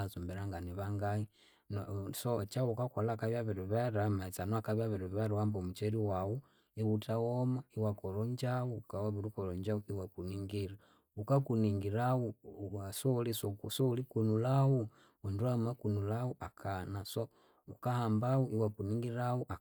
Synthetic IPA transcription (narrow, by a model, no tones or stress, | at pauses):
zumbɛɾaŋɡaniβaŋɡai | nsɔt͡ʃaukakɔlakaβjaβɛɾuβɛɾamait͡sanɔakaβjaβiɾuββaɾawambɔmut͡ʃɛɾiwawu | iwutawɔmaiwakɔɾɔɲd͡ʒawukawaβiɾukɔɾɔɲd͡ʒauiwakuniŋɡiɾa | ukakuniŋɡiɾawusɔlisɔksɔulikunulawu | unduamakunulawuʔakʰanasɔ | ukahambawuʔiwakuniŋɡiɾawuʔa